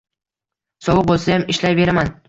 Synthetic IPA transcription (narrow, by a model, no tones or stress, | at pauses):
sɒvɨq̚bolˠsajamɪʃlajve̞ɾaman